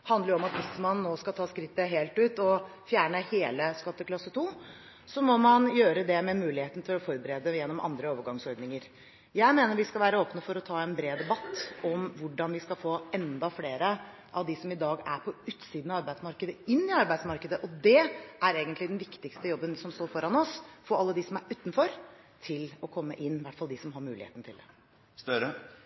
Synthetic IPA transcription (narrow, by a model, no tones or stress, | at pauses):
hɑnd̪ləɾɔmɑt̪ʋɪsmɑnːoːskɑt̪ʰɑːskɾɪt̪ːəɦeːlt̪ʉːt̪ɔfjæːɳəheːləskɑt̪ːəkʰlɑsːət̪ʰuː | sɔmɔmɑnjøːɾəd̪ɛmɛmʉːlɪheːt̪n̩t̪ʰɪlɔfɔɾbəɾeːd̪əjɛnːɔmʔɑ̰nd̪ɾəoːʋəɾɡɑŋsɔɾd̪nɪŋəɾ | jæɪmeːnəɾʋɪskɑlʋæːɾəoːpnəfɔɾɔt̪ʰɑːɛnbɾeːd̪ɛbɑt̪ːɔmʋʊɖɑnʋɪskɑlfoːɛnd̪ɑfleːɾə | ʔɑʋd̪ɪsɔmɪd̪ɑːɡæɾpʰɔʉːt̪siːd̪nɑʋɑɾbæɪd̪smɑɾkəd̪əɪnːɪɑɾbæɪsmɑɾkəd̪əʔɔd̪ɛæɾeːɡənt̪lɪd̪ɛnʋɪkt̪ɪkst̪əjɔbːənsɔmst̪oːɾfɔɾɑnɔsfɔɑlːəd̪ɪsɔmæɾʔʉːt̪nfɔɾ | t̪ʰɪlɔkʰɔmːə̰ʔɪnːʋæʈːfɑld̪ɪsɔmɦɑɾmʉːlɪhḛːt̪n̩t̪ʰɪld̪ɛ̰ | st̪œɾə